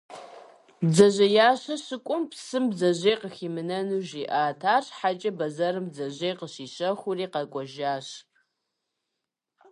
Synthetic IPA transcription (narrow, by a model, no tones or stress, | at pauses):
bzɐʑɐjaːɕɐɕɪkʷʼʊmpsɨmbzɐʑeːqəxiːmɨnɐnuːʒiːʔaːtʰaːrħat͡ʃʼɐbɐzɐrɨmbzɐʑeːqəɕiːɕɐxʷʊriːqɐkʷʼɔʒaːɕ